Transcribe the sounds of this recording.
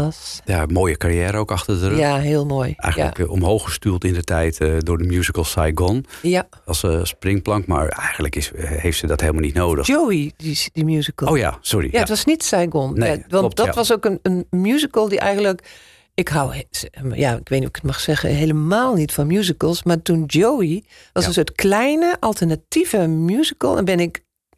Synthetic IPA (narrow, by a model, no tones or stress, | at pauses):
ɔsjamoːjəkarjɛːɾəowkɑxtədəraɦeːəlˠnojʔɛ̰jxəl̰əkɔmɦowxəstylˠtɪndətɛjtdʊɹdəmjuzikəlˠsajɡɔnja | ssprɪŋplɑŋkma̰ɹɛjɣən̩dləkɪshejftsədɔtheːlmalˠnitnoːdəxowiidimjuzikəowja̰sɔɹḭjaətʋɔsnitsajɡɔnaʋɔndɔtʋɔsokənənmjuzikəlˠdiʔɛ̰jɣəndlək | ɪkɦawjaɪkʋeːtnuɪkə̥tmaxsɛɣə̰ɦeləmaːlˠnitfɔnmjuzikəlˠsmatundoːi | ʋɔsənsoːtkʰlɛjnəʔalˠtʰərnativəmjuzikəlˠɛ̰nbɪnɪk